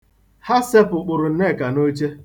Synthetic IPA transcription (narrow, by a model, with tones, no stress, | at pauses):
ha˦se˦pʊ˨k͡pʊ˨ɾʊ˨n̩˦ne˦˨ka˨no˦t͡ʃe˦